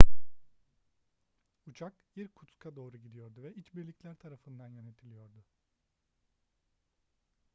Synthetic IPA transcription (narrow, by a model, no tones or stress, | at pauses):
ut͡ʃʰakjiɾkʰut̪kʰad̪o̞ːɾuɟid̪ijo̞ɾd̪uvɛit͡ʃbiɾlʲiclʲæɾt̪ʰaɾafɯnd̪anjø̞net̪ʰilʲijo̞ɾd̪ʊ